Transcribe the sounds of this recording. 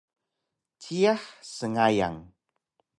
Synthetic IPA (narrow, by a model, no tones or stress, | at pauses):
t͡ɕiaħsəŋaja̰ŋ